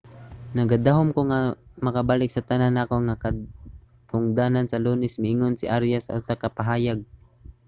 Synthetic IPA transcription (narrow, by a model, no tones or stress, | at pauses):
nɐɡad̪aɦomkoŋamɐkabaːlɪk̚sɐt̪ɐnanːakoŋaka | t̪ʰʊŋd̪aːnansɐluːnɪsmɪʔɪŋonsɪʔaɾjasːɐ̰ʔʊsakɐpaɦaːjaɡ̚